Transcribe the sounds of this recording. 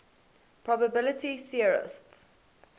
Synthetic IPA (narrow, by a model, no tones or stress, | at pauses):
pʰɹ̥ɔbəbɪlətiθiəɹɪ̰sts